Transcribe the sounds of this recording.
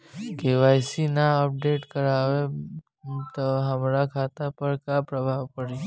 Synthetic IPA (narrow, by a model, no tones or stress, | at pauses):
keʋaːjsinaəp̚ɖeːʈkəɾaːʋe | t̪oɦəmɾakʰaːt̪apəɾkapɾəbʱaːʋpəɽi